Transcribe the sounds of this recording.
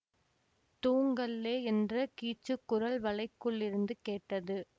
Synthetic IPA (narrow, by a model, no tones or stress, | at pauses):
t̪uːŋɡɐlːeːɛndrɐkiːt͡ʃːɯkːʊɾɐɭʋɐɭɐɪkːɯɭːɪɾɯnd̪ɯkeːʈːɐðɯ